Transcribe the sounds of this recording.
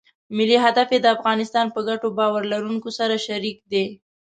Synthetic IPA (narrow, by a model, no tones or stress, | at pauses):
mɪliɦad̪afjed̪əafɣɑnɪst̪ɑnpəɡaʈobɑwaɾlaɾuŋkosaɾaʃaɾik̚d̪e